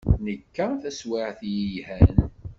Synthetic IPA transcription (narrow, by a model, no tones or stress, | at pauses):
nəkːæθæswɪʕθjijhæn